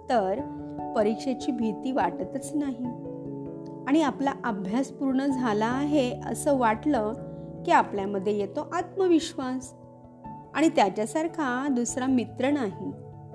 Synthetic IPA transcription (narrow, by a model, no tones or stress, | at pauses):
t̪əɾ | pəɾikʂet͡ɕiːbʱit̪iːʋaʈət̪ət͡snaɦi | aɽ̃iaplaʔəbʱjaspuɾɳəd͡zʱalaːɦeə̰səʋaʈləkiapljaməd̪ʱːjejet̪oʔat̪məʋiɕʋas | aɽ̃it̪jat͡ɕasaɾkʰad̪usɾamit̪ɾənaɦi